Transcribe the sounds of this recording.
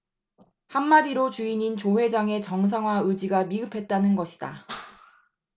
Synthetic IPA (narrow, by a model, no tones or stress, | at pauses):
hamːadiɾot͡ɕuiɲint͡ɕowe̞d͡ʑaŋe̞t͡ɕʌŋs̬ʰaŋwaɯd͡ʑiɡamiɡɯpʰe̞t̚t͈anɯnɡʌɕʰi̥d̥a̰